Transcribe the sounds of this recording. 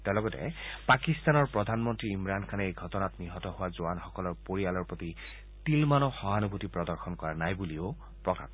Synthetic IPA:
tɛlɔɡɔtɛ̰pakist̪anɔɹpɹɔdʱanmɔntɹiimɹankʰanɛejɡʱɔtɔnatniɦɔtɔɦʊwazowanxɔkɔlɔɹpoɹialɔɹpɹoti | tilmanɔxɔɦanubʱutipɹɔdɔɹxɔnkɔɹanajbulio | pɹɔka̰

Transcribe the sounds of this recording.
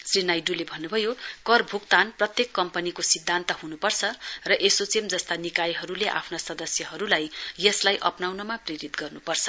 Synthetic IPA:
srinajɖulebʱʌnːubʱʌjokʌrbʱukt̪anprʌt̪jekːʌmpʌnikosid̪ʱːant̪ʌɦunupʌrt͡sʰʌrʌʔesot͡semd͡zʌst̪anikajɦʌɾuleʔa̰pʰnasʌd̪ʌsjʌɦʌɾulajːʌslajʔʌpnawnʌmapriɾit̪ɡʌrnupʌrt͡sʰʌ̥

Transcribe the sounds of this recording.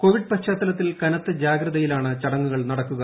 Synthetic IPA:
ko̞ːʋiɖ̚pɐɕaːt̪ːɐlɐt̪ːilkɐnɐt̪ːɨd͡ʑaːɡɾɐðɐjilaːɳɨt͡ɕɐɽɐŋːuɣɐɭnɐɽɐkːuɣɐ

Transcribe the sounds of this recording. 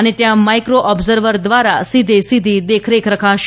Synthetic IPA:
ənet̪jãmajkɾoʔɔbzəɾʋəɾd̪ʋaɾasid̪ʱesid̪ʱid̪ekʰɾekʰɾəkʰaʃ

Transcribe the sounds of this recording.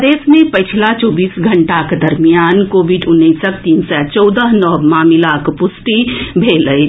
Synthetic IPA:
d̪eːsmẽpəɪt͡ʃʰlat͡ʃɔːbiːsɡʱəɳʈaked̪ɐɾmijaːnkoːbiɖʊnːəɪsək̚t̪iːnsɛt͡ʃɔʊd̪əɦnɔbmaːmilakpʊsʈibʱeːləj

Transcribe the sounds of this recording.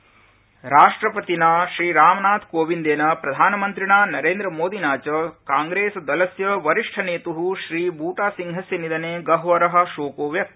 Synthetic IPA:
ɾaːʂʈɾɐpɐt̪inaːʃɾiːɾaːmɐnaːt̪koːʋind̪eːnɐpɾɐd̪ʱaːnɐmɐnt̪ɾiɳaːnɐɾeːnd̪ɾɐmoːd̪inaːt͡ʃɐkaːŋɡɾeːsɐd̪ɐlɐsjɐʋɐɾiʂʈʰɐneːt̪uɦuʃɾiːbuːʈaːsiŋɦɐsjɐnid̪ɐneːɡɐɦʋɐɾɐɦɐ̆ʃoːkoːʋjɐk̪̚

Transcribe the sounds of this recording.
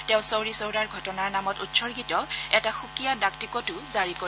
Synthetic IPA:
tɛ̃ʊ̃sowɹisowɹaɹɡʱɔtɔnaɹnamɔtutsɔɹɡitɔɛtaxukijadak̚tikɔtʊzaɹiko

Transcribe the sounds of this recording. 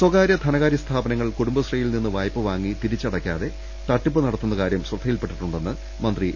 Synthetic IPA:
swɐɡaːɾjɐt̪ʰɐnɐɣaːɾjɐst̪ʰaːbɐnɐŋːɐɭkuɽumbɐsrijilninːɨʋaːjpːɨʋaːŋːit̪iɾit͡ɕːɐɽɐkʲːa̰ːðe̞ | t̪ɐʈːipːɨnɐɽɐt̪ːunːɐkaːɾjɐmsrɐd̪ʱːɐjilpeʈːiʈːuɳɖe̞nːɨ | mɐnd̪ri

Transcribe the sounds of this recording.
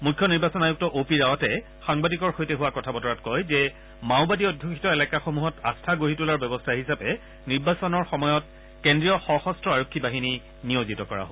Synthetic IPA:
mukʰːɔniɹbasɔnajuk̚tɔʔopiɹawɔtɛ | xaŋbadikɔɹxojtɛɦʊwakɔtʰabɔtɔɹatkɔjzɛ | maʊbadiɔdʱjukʰitɔelakaxomuɦɔta̰stʰaɡoɦitulaɹbɛbɔstʰaɦisapɛ | niɹbasɔnɔɹxɔmɔjɔt̚ | kendɹijɔxɔxɔstɹɔaɹokʰːibaɦini | nijozitɔkɔɹa̰ɦo

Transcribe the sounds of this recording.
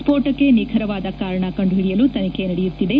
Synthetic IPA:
spoːɾʈɐkːe̞nikʰɐɾɐʋaːd̪ɐkaːɾɐɳɐkɐɳɖɦiɽijɐlut̪ɐnɐke̞nɐɽejut̪ːid̪e̞

